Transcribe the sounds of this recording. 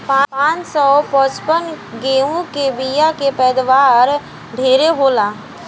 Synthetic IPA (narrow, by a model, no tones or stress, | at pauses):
pãpãːt͡ʃsɔpɔːspən | ɡeːɦũkebijakepɛːd̪ʋaːɾ | ɖʱeːɾeɦoːlaː